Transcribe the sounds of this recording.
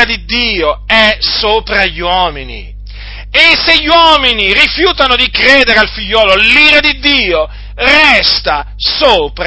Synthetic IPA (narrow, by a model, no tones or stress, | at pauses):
ad̪id̪ːiːoɛsoːpɾaʎːwɔːminḭ | eseʎːwɔːminirifjuːt̪anod̪ikɾeːd̪eɾealfiʎːɔːloliːɾad̪id̪ːiːo | rɛst̪a | soːpɾ